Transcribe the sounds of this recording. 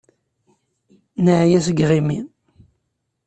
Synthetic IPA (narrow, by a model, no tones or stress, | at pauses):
nəʕjæsəɡʁimin